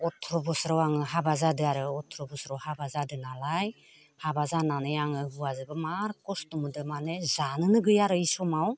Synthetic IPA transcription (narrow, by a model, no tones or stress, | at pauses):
ɔtʰɾɔbɔsɾawaŋɯɦabazadɯaɾɯɔtʰɾɔbɔsɾawhabazadɯnalaj | habazananɯjaŋɯɦuazɯbɯmaɾkɔstumɯdɯmanezanɯnɯɡɯjaɾɯisɔmaw